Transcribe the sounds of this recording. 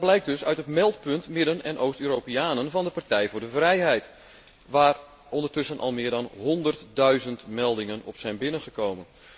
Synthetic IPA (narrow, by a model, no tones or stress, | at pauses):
blɛjk̚døsœɥtətmɛlˠtpøntmɪdənɛnʔowstøːroːpiaːnənvɑndəpartɛjvʊːrdəvrɛjɦɛjt | ʋaːr | ʔɔndərtʏsənʔɑ̰lˠmɪːdɔnɦɔndərtdœɥzəntmɛlˠdɪŋənɔ̰psɛjnbɪnənχəkowmən